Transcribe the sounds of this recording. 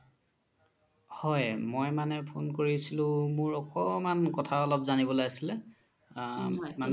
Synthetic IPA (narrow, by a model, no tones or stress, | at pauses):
hɔjmojmanɛpʰonkoɹisilʊ̃mʊɹɔkɔmankɔtʰaɔlɔpzanibɔlojasilɛ | manɛ